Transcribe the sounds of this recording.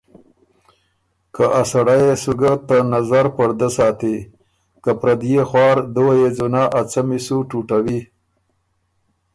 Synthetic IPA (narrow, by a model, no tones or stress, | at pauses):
kaʔasaɽajesuɡat̪anazaɾpəɾd̪əsɑːt̪i | kapɾad̪jexwɑːɾd̪uwajed͡zunɑʔat͡samisuʈuʈawi